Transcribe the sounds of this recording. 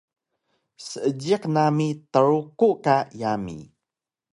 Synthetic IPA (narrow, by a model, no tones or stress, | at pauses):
səʔəɟiqnamit̪əɾukuʔkajamḭ